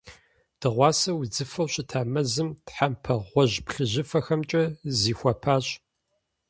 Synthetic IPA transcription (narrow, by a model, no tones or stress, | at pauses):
d̥ɨʁʷɑːsɐwud͡zɨfɐwɕɪtʰaːmɐzɨmtħampʰɐʁʷɔʑpɬɨʑɪfɐxɐmt͡ʃʼɐziːxʷɐpʰaːɕʼ